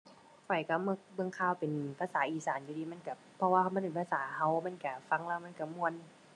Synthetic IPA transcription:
kʰɔ˨˩jka˧˩mɯ˧k̚bɤ˧˨ŋkʰaː˧˨wpe˨˩npʰaː˧˥˨saː˨˦ʔiː˨˩saː˨˦nju˧diː˧˩ma˧˥˨nka˧˩ | pʰːɔ˧waː˧ha˧wma˧˥˨pe˨˩npʰaː˧˨saː˨˦ɦa˧˩wma˧˥˨nka˧˩fa˧˥˨ŋlaː˧˨wma˧˥˨ka˧˩mu˧ə˨n

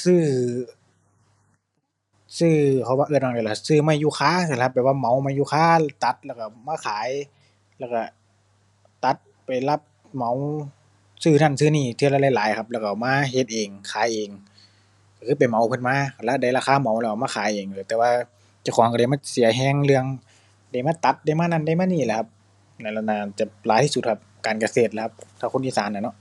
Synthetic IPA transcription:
sɯː˧˩ | sɯː˧˩kʰa˧˦waː˧ʔɯː˧˩t̚maː˧˩˨a˧˩la˧˩sɯː˧˨maː˧˨juː˧˩xʰaː˧˥˨ɯ˧˩˨a˧pːɛ˨˦waː˧˨ma˨˦wmaː˧˥˨juː˧xʰaː˧˩˨t̪a˧˦t̪̚lɛː˧˩wka˧˩maː˧˥˨kʰaː˨˦j | lɛː˧˩wka˧˩ | t̪a˧˦t̪̚ | pa˨˩jla˧p̚ | ma˨˦w | sɯː˧˩na˧˩˨nsɯː˧niː˧˩t̪ʰɯ˧˨la˧˩la˧˩jlaː˨˦jkʰa˧p̚lɛ˧˩˨ka˧˩maː˧˨ɦe˧˦t̪̚ʔeː˨˩ŋkʰaː˨˦jʔeː˨˩ŋ | ka˧˩kʰɯː˧p̬a˨˩jma˨˦wpʰɯ˧˥˨nmaː˧˥˨kʰa˧˩la˧da˧˩jlaː˧aː˧˨ma˨˦wlɛ˧˩ka˧maː˧aː˨˦jʔeː˨˩ŋlɯː˨˧˦t̪ɛː˧waː˧ | t͡ɕa˧˨wkʰɔː˨˦ŋka˧da˧˩jmaː˧˥˨si˨˦ɐɦɛː˧˩ŋlɯ˧əŋ | da˧˩jmaː˧˥˨t̪a˧˦t̪̚da˧˩˨jmaː˧˥˨na˧˥˨nda˧˩˨jmaː˧˥˨niː˧˩lɛ˧˩kʰa˧p̚ | na˧˩la˧˩naː˧˩˨t͡ɕa˧˩laː˨˦jt̪ʰiː˧su˧˩t̪̚kʰa˧p̚kaː˨nka˧seː˧˩t̪̚la˧kʰa˧p̚t̪ʰaː˧˩ko˧˨nʔiː˧˨saː˨˦na˧˩nɔ˧ʔ

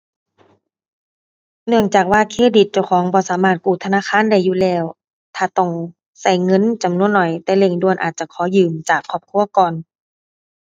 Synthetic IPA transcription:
nɯ˧˩əŋt͡ɕaː˨˩k̚waː˧˨kʰeː˧˥˩di˨˩t̪̚t͡ɕa˧˩wkʰɔː˨˦ŋbɔː˧˦saː˨˦maː˧˩t̪̚kuː˧˩t̪ʰa˧naː˧˥˨kʰaː˧˥˨nda˧˩jːuː˧˨lɛː˧˩w | t̪ʰaː˧˩t̪ɔ˧˩ŋ | sa˧˩jŋɤ˧˥˨nt͡ɕa˧˩mnu˧˥ə˨nːɔ˨˩jt̪ɛː˧˦le˧˩ŋdu˧ənʔaː˨t̪̚t͡ɕa˧˦kʰɔː˨˦jɯː˨˩mt͡ɕaː˨˩kʰːɔː˧˩p̚kʰu˧˥˨əkɔː˨˩n

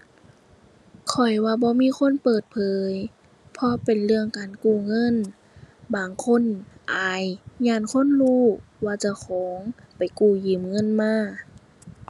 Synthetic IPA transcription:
kʰɔ˨˩jwaː˧bɔː˧˦miː˧˥˨xʰo˧˥˨npɤː˨˩t̪̚pʰɤː˨˦j | pʰɔ˧pe˨nlɯ˧˨əŋkaː˨˩nkuː˧˩ŋɤ˧˥˨n | baː˨˩ŋkʰo˧˥˨nʔaː˨˩jɲaː˧˥˨nkʰo˧˥˨nluː˧˥˨waː˧t͡ɕa˧˩kʰɔː˨˦ŋ | pa˨˩jkuː˧˩jiː˨˩mŋɤ˧˥˨nmaː˧˥˨

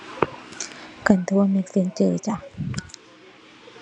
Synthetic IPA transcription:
ka˨˩nt̪ʰu˧˥ə˧me˧˥k̚si˧˦ŋt͡ɕəː˧˩t͡ɕa˧˩

